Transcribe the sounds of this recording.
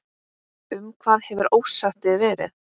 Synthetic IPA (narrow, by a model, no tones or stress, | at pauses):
ʏmkʰv̥aːðhɛvʏɾoːwsaht̪ɪðvɛːɾɪ̰ð